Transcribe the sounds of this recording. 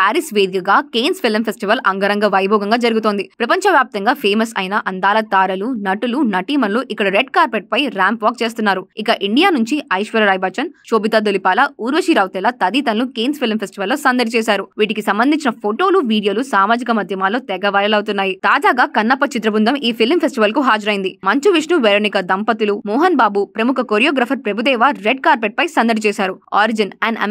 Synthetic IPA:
aːɾisʋeːd̪ikɐɡaːkeːnspʰilmpʰesʈiʋɐlʔɐŋɡɐɾɐŋɡɐʋɐjbʱɔːɡɐŋɡaːd͡ʒɐɾuɡut̪o̞ːnd̪ipɾɐpɐɲt͡ʃɐʋjaːp̚t̪ɐŋɡaːpʰeːmɐsɐ̰jnɐʔɐnd̪aːlɐt̪aːɾɐlunɐʈulunɐʈiːmɐnluʔikːɐɽɐɾeɖkaːɾpeʈ̚pɐjɾaːmpʋaːk̚t͡ʃe̞ːst̪unːaːɾuikɐʔiɳɖijaːnuɲt͡ʃiɐjʃʋɐɾɐɾɐjbaːt͡ʃɐnt͡ʃoːbit̪aːd̪olipaːlɐuːɾʋɐʃiːɾɐːwt̪ɛlɐt̪ɐd̪iːt̪ɐnlukeːnspʰilmpʰesʈiʋɐlːoːsɐnd̪ɐɾit͡ʃɛːsaːɾuʋiːʈikisɐmbɐnd̪ʱiɲt͡ʃinɐpʰoʈo̞ːluʋiːɽijo̞ːlusaːmaːd͡ʒikɐmɐd̪ʱjɐmaːlo̞ːt̪ɛɡɐʋɐɭɐlɐwt̪unːaːjit̪aːd͡ʒaːɡaːkɐnːɐpːɐt͡ʃit̪ɾɐbund̪ɐmʔiːpʰilmpʰesʈiʋɐlkuɦaːd͡ʒɐɾɐjind̪imɐɲt͡ʃuʋiʂɳuʋɛɾoːnikɐd̪ɐmpɐt̪ulumɔːɦɐnbaːbupɾɐmukʰɐkoːɾijoːɡɾaːpʰɐɾpɾebud̪ɛːʋaɾeɖ̚kaːɾpeʈ̚pɐjsɐnd̪ɐʈt͡ʃɛːsaːɾua̰ːɾid͡ʒinɐɐ̰

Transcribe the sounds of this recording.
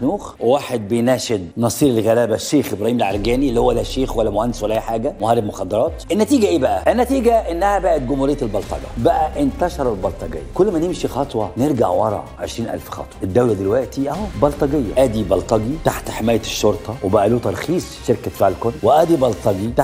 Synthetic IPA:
nuːxwwaːħed̪̚bejnæːʃed̪nɑsˤiːɾelɣælæːbæʃːeːxʔebɾˤɑhiːmælʕɑɾˤɡæːniʔlːihowːælːæʃeːxwælːæmohænd̪ɪswælːæʔeħaːɡæmohæːɾːeb̚moxɑd̪ːɑɾˤɑːt̪ʔɪnːæt̪iːɡæʔeːbæʔæʔɪnːæt̪iːɡæʔenːæhæbæʔæt̪̚ɡʊmhuɾejːælbɑlt̪ˤɑ̰ɡɑ̰bæʔæʔɪnt̪æʃɑɾˤɑlbɑlt̪ˤɑɡḛjːæ̰kʊlːmænɪmʃixɑt̪ˤwɑneɾɡaʕwɑ̰ɾˤɑ̰ʕʕḛʃɾiːnʔæ̰lfxɑ̰t̪ˤwɑʔed̪ːæwlæd̪elwæʔt̪iʔæwbɑlt̪ˤɑɡejːæ̰ʔæːd̪ibɑlt̪ˤɑɡit̪aħt̪ħemæːjæʃːoɾt̪ˤɑwebæʔæluːt̪ɑɾˤxiːsˤʃːeɾkt̪faːʕelkonːweʔæːd̪ibɑlt̪ˤɑɡit̪a

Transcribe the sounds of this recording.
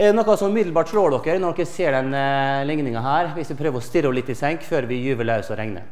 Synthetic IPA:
ɛdɛnɔkːɑsɔmʉmɪd̪lbɑːʈʂɭoːɖɔkːəɾnɔɖɔkːəseːɖɛnlɪŋnɪŋɑɦæːɾʋɪsʋɪpʰɾøːʋəɾɔst̪ɪɾəɔlɪt̪ːɪsɛŋkføːɾʋɪjʉːʋəlɑʉsɔɾɛŋnə̰

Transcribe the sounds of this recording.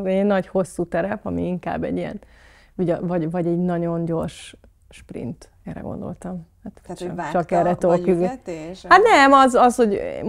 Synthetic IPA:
ɛnːɒɟho̞sːuːt̪ɛɾɛpɒmḭiŋka̰ːbːɛ̰ɟːiɛ̰n | iɟɒvɒɟvɒɟɛɟnɒɟo̞nɟo̞rʃ | ʃprḭnt̪ | ɛ̰ɾɛ̰ɡo̰nd̪o̞̰lt̪ɒmhat̪t͡ʃɒkɛɾːɛt̪oly | hat̪nɛmɒzɒsho̞ɟm

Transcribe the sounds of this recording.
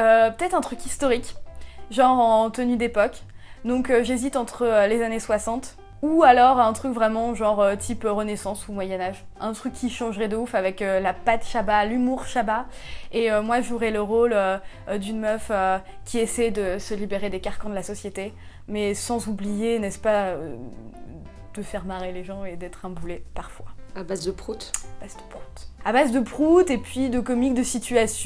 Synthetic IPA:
øpə̥t̪ɛt̪χɛ̃t̪χykʲist̪ɔʁikʒɑ̃ʁɑ̃t̪ənyd̪epɔkd̪ɔ̃køʒezit̪ɑ̃t̪χəølezaneswasɑ̃t̪ | ualɔʁɛ̃t̪χykvʁɛmɑ̃ʒɑ̃ʁøt̪ʰipøʁənesɑ̃sumwajɛnaʒʔɛ̃t̪χykʲːiʃɑ̃ʒʁɛd̪əufavɛkølapat̪ʃabalymuʁʃabaeømwaʒuʁɛləʁolø | d̪ynmœføkʲʰiesɛjd̪əsəlibeʁed̪ekaʁkɑ̃d̪əlasɔsjet̪e | mɛsɑ̃zublijenɛspaø | d̪̥əfɛʁmaʁeleʒɑ̃ed̪ɛt̪χɛ̃bulepaʁfwaabazd̪əpχut̪ab̥azd̪ə̥pχu̥t̪abazd̪əpχut̪epɥid̪əkɔmik̚d̪əsit̪yasj

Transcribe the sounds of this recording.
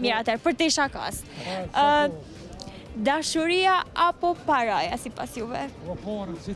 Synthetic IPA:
miat̪ɛɾpəɾt̪eʃaka̰s | d̪aʃoɾijaapopaɾajasipa̰sjuvɛ

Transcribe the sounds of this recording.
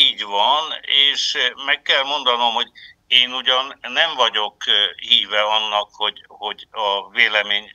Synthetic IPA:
iːɟʋɒneːʃmɛkːɛlmo̞nd̪ɒno̞mho̞ɟ | eːnuɟɒnːɛɱvɒɟokhiːvɛɒnːɒkho̞ɟho̞ɟɒveːlɛmeːɲ

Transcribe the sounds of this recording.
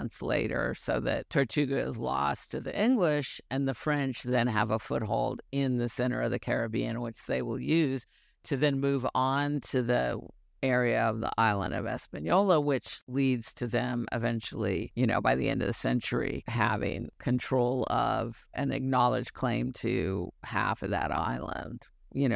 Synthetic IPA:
nslḛɪɾə̰˞soʊðɨ̰tʰə˞tʰʉɡɨɪzlɔ̰stʰɨðḭʔɪ̃ŋɡlɪʃɨ̃nðɨfɹɛ̃nt͡ʃðɨ̃nəvəfʊt̚ɦoʊlˠdɪ̃nðɨsɛ̃ɾ̃ə̰˞ʌvðɨkʰɛɹɨbiɨ̃nwɨt͡ʃðeɪwɪ̰lˠjʉz̥ | tʰɨðɨ̃nmʉṽntʰɨði | ɛɹiɨʌvðḭʔaɪlˠə̰̃ndʌ̰vɛ̰spɨ̃njɔlˠəwɪt͡ʃlidz̥tʰɨðɨ̃mɪ̰vɛ̃nt͡ʃl̩ˠijɨñoʊbaɪðḭɛ̰̃ndʌvðɨsɛ̃nt͡ʃə˞ḭɦævɪ̰̃ŋkʰɨ̃ntʰɹ̥oʊlˠʌ̰vʔɨ̃nɨ̰k̚nɑlˠəd̥ʒ̥kʰl̥ẽɪ̃mtʰɨ̰hæ̰fʌðɨ̰ɾa̰ɪlˠə̰̃nd̥ | jɨnoʊ

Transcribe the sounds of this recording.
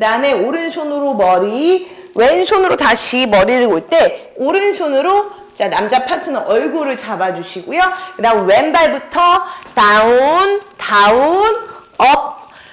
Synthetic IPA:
dane̞oɾɯnsʰonɯɾomʌɾi | we̞nsʰonɯɾotaɕʰimʌɾiɾɯɭɡoɭt͈e̞ | oɾɯnsʰonɯɾo | t͡ɕ͈anamd͡ʑapʰatʰɯnɯʔʌɭɡuɾɯɭt͡ɕabad͡ʑuɕʰiɡojokɯdanwe̞nbaɭbutʰʌtauntaun | ʌp̚

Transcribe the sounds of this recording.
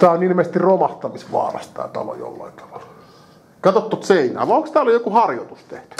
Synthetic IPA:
t̪æːonilmest̪irromɑht̪ɑmisʋɑ̰ːrɑ̰st̪æ̰ːt̪ɑlo̰jo̰lːɑ̰int̪ɑ̥ʋɑ̥l | kɑt̪ot̪ːot̪seinæ̰ːʋɑoŋkst̪æːlːojokuhɑrjot̪ust̪eht̪y̥

